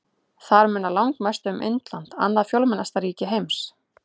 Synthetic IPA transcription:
θaɾmʏnːalawŋkmast̪ʏʏmʔɪ̰nt̪lant̪a̰nːafjowlmɛnast̪aɾiːcɪɦejms

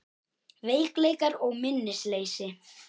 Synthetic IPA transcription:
veːjkleːjkaɾɔɣmɪnːɪsleːjsɪ

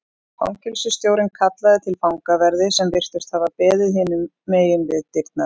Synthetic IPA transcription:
fa̰wŋcʰʏlsʏst̪joːwɾɪnkʰat̪laðɪt̪ʰɪlfawŋkavɛɾðɪsɛmvɪr̥t̪ʏst̪havapɛːðɪðɦɪːnʏmːeːjʏmvɪðt̪ɪɾt̪̚na

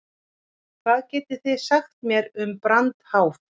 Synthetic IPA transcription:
kʰvaːðcɛːt̪ɪθɪðsaxt̪mjɛɾʏmpɾant̪haːwf

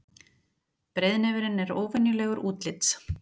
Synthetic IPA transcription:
pɾejðnɛvɪɾɪnɛɾoːwvɪnjʏlɛːɣʏɾʔuːt̪lɪt̪s

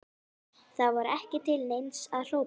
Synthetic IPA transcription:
θavaɾɛhcɪt̪ʰɪlnejnsaðl̥oːw

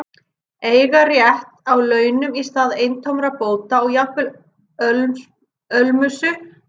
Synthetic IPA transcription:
eːjɣarjɛht̪awlœːɥnʏmist̪aːðejnt̪ʰowmɾapoːwt̪aɔɣjapɪl | œlmʏsʏ

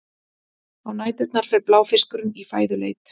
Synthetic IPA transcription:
awnaːjt̪ʏt̪naɾ̥fɛɾplaːwfɪskʏɾʏnifaːjðʏlḛːjt̪

